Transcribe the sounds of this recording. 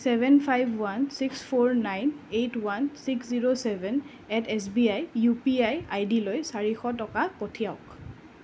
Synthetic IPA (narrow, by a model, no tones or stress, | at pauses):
sɛbʱɛnpʰajbʱwansikspʰoɹnajnejtwansiksziɹosɛbʱɛn | ɛtɛs̬biajːupiajajdilojsaɹixɔtɔkapotʰijaʊk